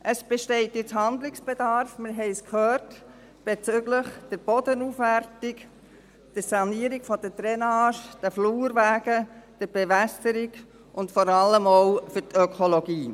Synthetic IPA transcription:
ʔəsb̥eʃtɛɪtjɪt͡shɑnd̪lɪksb̥ed̥ɑɾfmɪɾɦɛɪskhøːrt | b̥et͡sʏɡləχd̥əɾb̥ɔd̥ənuːfʋærtɪk | d̥əsɑniːəɾiɡ̥fɔd̥ətɾɛnɑːʃd̥əfluːɾʋæːɡəd̥əb̥eʋæsəɾiɡ | ʔʊntfɔɾɑlːəmoʊfʏtœkʰoloɡiː

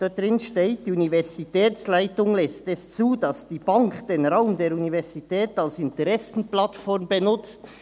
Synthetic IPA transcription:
d̥ad̥ʁɪnʃteːt̚d̥iunivɛʁz̥itʰɛːslaɪtʊŋlɛstɛst͡suːdɑsd̥iːb̥aŋkd̥eːnʁaʊmdeːɾunivɛʁz̥itʰɛːtalsɪntəʁɛsn̩platfɔɾmbənʊt͡st

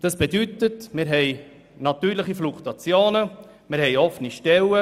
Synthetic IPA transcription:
d̥ɑsb̥edytətmɪɾɦɛɪ | nɑt̪yːɾləχiflukt̪ɑt͡sjoːnə | mɪɾhɛɪjɔfːəniʃtɛlə

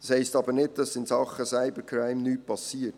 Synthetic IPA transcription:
ɑ̥shaɪstɑːbənɪt̚d̥ɑsɪnsɑχəsaɪbəkʰɾaɪmnyːt̚pʰɑsiːt

